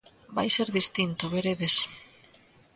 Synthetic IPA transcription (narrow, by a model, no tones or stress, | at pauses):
ba̰jseɾðist̪int̪oβeɾeðes